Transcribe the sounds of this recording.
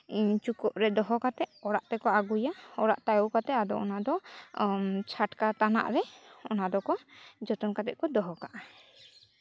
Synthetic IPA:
t͡ʃukɔʔɾɛd̪ɔɦɔkat̪ɛʔɔɽaʔt̪ɛkɔaɡujaɔɾaʔt̪ajɔwkat̪ɛad̪ɔɔnad̪ɔ | t͡ʃʰaʈkat̪ana̰ʔɾɛɔnad̪ɔkɔd͡ʒɔt̪ɔnkat̪ɛʔ̪̚kɔd̪ɔɦɔkaʔa

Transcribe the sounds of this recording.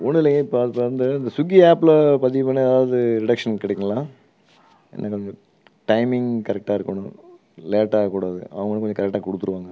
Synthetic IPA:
ɔnːɪlːɐ̃ŋɡɐɪpːopand̪ɐɪnd̪ɐsʊɡiaːpːlɐpɐðɪpːɐnːeɐðaːʋɐðɯɾɪɽɐkʂɐnkɪɽɛkːɐŋɐlãː | ɛ̰nːakɔɲd͡ʒɔ̃ | ʈɐɪmɪŋɡkɐɾɛk̚ʈaːɪɾɯkːɐɳʊ̰̃ | leːʈːaːkuːɽaːðɯ̰ʔɐ̰ʋɐŋɡɐnːɯ̃kɔɲd͡ʒɔ̃kɐɾɛk̚ʈːaːkɔɽɯt̪ːɯɾɯʋaːŋɡɐ

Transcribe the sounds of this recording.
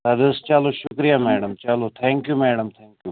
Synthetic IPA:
ɐd̪ɪst͡ʃaloʃʊkɾijamɛːɽəmt͡ʃalot̪ʰɛ̃ːŋkjumɛːɽəmt̪ʰɛ̃ːŋkju

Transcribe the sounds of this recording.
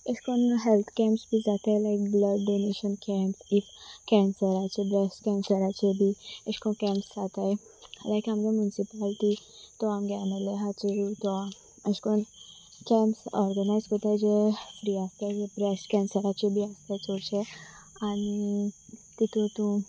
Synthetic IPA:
eskonɦelt̪ʰkɛ̃mpsbʱiːd͡zat̪ajlajk̚bləɡɖoneɕənkɛmpsifkɛ̃nsəɾat͡ɕebɾesʈkɛ̃nsəɾat͡ɕebʱiəɕkonkɛ̃mpsd͡zat̪aj | lajkamd͡ʑamjunisipalʈ̪it̪ɔamɡɛnəleɦat͡səɾut̪ɔa | əskon | kɛ̃mpsɔɾɡənajzkət̪ajd͡ʑefɾiast̪ad͡zebɾesʈkɛ̃nsəɾat͡ɕebʱiəst̪at͡soɾɕe | añi | t̪it̪ot̪ũ

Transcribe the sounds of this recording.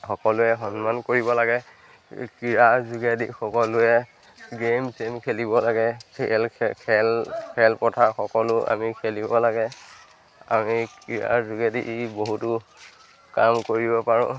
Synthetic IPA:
xɔkɔlʊɛxɔnmankoɹibɔlaɡɛ | kiɹazuɡadixɔkɔlʊɛ | ɡemsemkʰelibɔlaɡɛlkʰɛlkʰɛlpɔtʰaxɔkɔlʊʔa̰mikʰelibɔlaɡɛ | a̰mikiɹa̰zuɡadiʔboɦutʊ | kamkoɹibɔpaɹʊ̰̃

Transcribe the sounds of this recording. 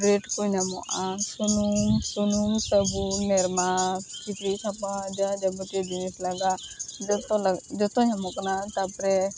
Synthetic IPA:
ɾeʈkuɲamɔ̰ʔasunuŋsunuŋsɔbumɛɾmat͡ʃit̪ɾitʰapad͡ʒad͡ʒabuʈidinislaɡad͡ʒɔt̪ɔlad͡ʒɔt̪ɔɲamɔknat̪apɾɛ

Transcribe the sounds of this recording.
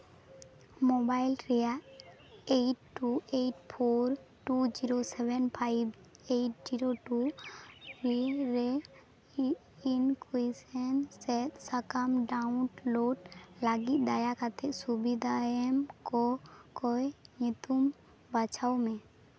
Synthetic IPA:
mobailɾeja | eʈːueʈpʰoɾ | ʈud͡ʒiɾosɛbɛnpʰaibeʈ̚d͡ʒiɾoʈu | ɾiɾe | inkisɛnsɛt̪sakamɖaʊʈloɖlaɡit̪̚d̪ajakʰat̪ʰeksubid̪ʱaemkokojnit̪um | bət͡ʃʰaumẽ

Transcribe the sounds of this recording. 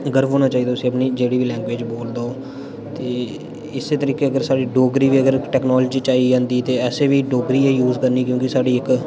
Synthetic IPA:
ɡəɾbɦoːnaːt͡ʃaːiːd̪aʊsĩːəpniːd͡ʒeːɽiːʋiːlɛ̃ːŋɡʋeːd͡ʒboːld̪oː | t̪eː | ɪseːt̪əɾiːkeːəɡəɾsaːɖiːɖoːɡɾiːʋiːəɡəɾʈɛːknɔːlːd͡ʒiːt͡ʃaːiːd͡ʒãːnd̪iːt̪eːɛːseːʋiːɖoːɡɾiːeːjuːzkəɾniːkjõːkɪsaːɖiːɪk

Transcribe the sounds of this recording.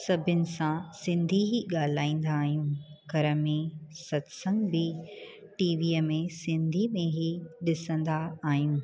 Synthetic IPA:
sɐbʱʊnɪ̆sãsɪ̃nd̪ʱiɦiɠaːl̤aːĩːn̆d̪aːɦiũːɡʱɐɾəmẽsɐt̪sə̃ŋɡbɪ | ʈiːʋiːəmẽsɪ̃nd̪ʱimẽɦiɗɪsə̃nd̪aaːɦijũː

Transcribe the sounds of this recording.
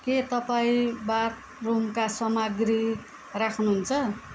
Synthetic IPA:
ket̪ʌpaĩbaɾ | romkasʌmaɡɾi | rakʰnuɦunt͡sʰʌ

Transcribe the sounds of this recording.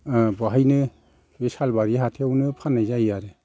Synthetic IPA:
bɔɦajnɯ | besalbaɾiɦatʰewnɯpʰanajzajaɾe

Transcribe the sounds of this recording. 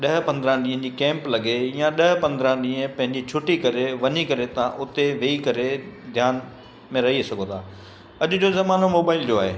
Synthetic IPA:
ɗɐɦpɐ̃nd̪ɾãɗĩːə̃d͡ʑiːkɛ̃ːmplɐɡejãɗɐɦpɐ̃nd̪ɾãɗĩːə̃pɐ̃ɦɪ̃ɲd͡ʑit͡ɕʰʊʈikɐɾeʋɐɲikɐɾet̪ãʔʊt̪eʋeːikɐɾed̪ʱjaːn | mẽɾɐɦisɐɡʱot̪ʰaː | ɐʄʊ̆d͡ʑoːzɐmaːnomoːbaːɪld͡ʑoaːɦeː

